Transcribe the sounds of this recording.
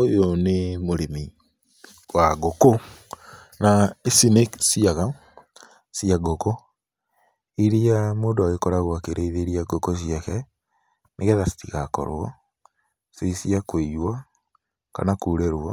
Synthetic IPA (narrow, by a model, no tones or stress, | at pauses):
ojonemoɾemi | waɡoko | naesineksiaɣa | siaɡoko | iɾiamoːndoaɣekɔɾaɣwakeɾʔeiðeɾiaɡokos̬iakɛ | meɣɛðasi̥tiɣakɔ̰ɾw̰ɔ̰ | seisiakwejwa | ka̰nakuːɾeɾwɔ